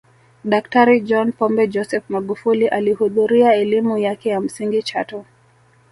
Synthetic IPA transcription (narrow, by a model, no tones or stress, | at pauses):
ɗak̚taɾid͡ʒɔnpɔmbɛd͡ʒɔsɛfmaɠufuliʔalihuðuɾiaɛlimujakɛjam̩siŋɡit͡ʃatɔ